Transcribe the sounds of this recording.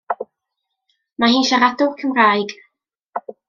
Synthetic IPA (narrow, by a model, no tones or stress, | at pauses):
maɦiːnʃaɾadʊlˠkʰəmraːjɡ